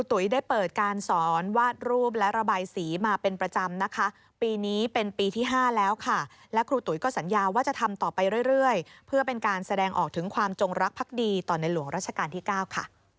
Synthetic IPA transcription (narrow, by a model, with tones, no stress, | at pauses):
kʰuː˧t̪u˩˦jdaː˥˩jpɤː˨˩t̪̚kaː˧nsɔː˨˦nwaː˥˩t̪̚ɾuː˥˩p̚lɛ˦˥ʔɾa˧baː˧jsiː˩˦maː˧pe˧npɾa˧t͡ɕa˧mna˦˥kʰa˦˥ | piː˧niː˦˥pe˧npiː˧t̪ʰiː˥˩ɦaː˥˩lɛː˦˥wkʰa˥˩ | lɛ˦˥kʰɾuː˧t̪u˩˦jkɔː˥˩sa˩˦njaː˧waː˥˩t͡ɕa˨˩t̪ʰa˧mt̪ɔː˨˩pa˧jɾɯ˥˩əjɾɯ˥˩əjpʰɯ˥˩əpe˧nkaː˧nsa˧dɛː˧ŋʔɔ̰ː˨˩k̚t̪ʰɯ˩˦ŋkʰwaː˧mt͡ɕo˧ŋɾa˦˥k̚pʰːa˦˥k̚diː˧t̪ɔː˨˩na˧jlu˩˦əŋɾa˦˥˩t̚t͡ɕʰa˧kaː˧nt̪ʰiː˥˩kaː˥˩wkʰa̰˥˩